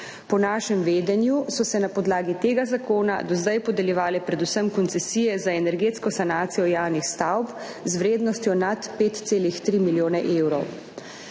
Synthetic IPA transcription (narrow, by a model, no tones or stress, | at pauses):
pɔnaːʃɛmʋeːd̪ɛnjusɔsɛnapɔd̪laːɡit̪eːɡazakoːna̰d̪ɔzd̪ajpɔd̪ɛljɛʋaːlɛpɾɛd̪usəmkɔnt̪sɛsijɛzaɛnɛɾɡeːt̪skɔsanaːt̪sijɔjaːwnixst̪awp | zwɾeːd̪nɔst̪jɔnat̪peːt̪t̪seːlixt̪ɾiːmiljoːnɛʔewɾɔ̰w